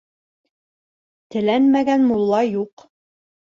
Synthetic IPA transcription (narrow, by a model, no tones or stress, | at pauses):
t̪ɘ̆lænmæɡænmulˠːɑjuq